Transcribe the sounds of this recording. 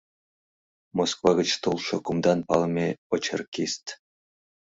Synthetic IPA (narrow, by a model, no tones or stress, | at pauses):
moskvɑɣʲə̆t͡ɕt̪ulˠʂɤ̆kumd̪ɑnpɑ̰lˠɤmʲeɤ̆t͡ɕʰɤ̰̆rkʲisʲt̪ʲ